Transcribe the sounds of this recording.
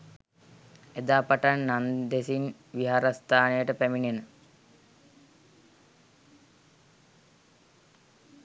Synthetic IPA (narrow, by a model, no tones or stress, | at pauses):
ed̪aːpaʈanːand̪esin | ʋiɦaːɾast̪ʰaːnəjəʈəpæminenə